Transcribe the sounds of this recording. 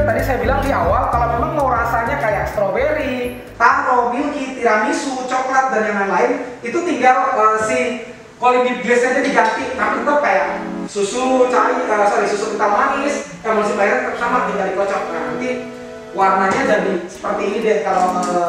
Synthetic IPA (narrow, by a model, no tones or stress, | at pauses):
t̪adisajabilaŋdiawalkalomemaŋlɔɾasaɲakajaʔst̪ɾɔweɾi | t̪aɾɔmilkit̪iɾamisut͡ʃɔklat̪̚daɾjaŋanlaɪnit̪ut̪iŋɡaləsɪh | kɔlibid͡ʒɛsat̪ɛdiɡant̪inapit̪ɔkajaʔsusut͡ʃalikalasadisusukit̪alɦanɪskaŋmasɪhbajaɾsamadiŋɡalikɔt͡ʃɔk̚ka̰nant̪i | warnaɲad͡ʒadisə̥pərt̪iːnidɛtkalo